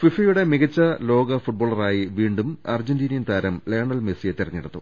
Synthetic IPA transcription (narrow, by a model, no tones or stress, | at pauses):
fifɐjuɽe̞miɣɐt͡ɕːɐlo̞ːɡɐfuʈ̚bo̞ːɭːɐraːjiʋiːɳɖumɐ̰rd͡ʑɐndiːnɐjnt̪aːɾɐmleːɳɐlmesijet̪irɐɲːiɽɐt̪ːṵ